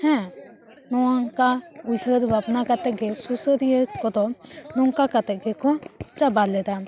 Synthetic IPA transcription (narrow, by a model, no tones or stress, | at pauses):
hɛ̃ | nɔwaŋkaujhəɾbabnakat̪ɛʔ̚ɡɛsusəɾijəkɔd̪ɔnɔŋkakat̪ɛʔ̚ɡɛkɔ̃t͡ʃabalɛd̪a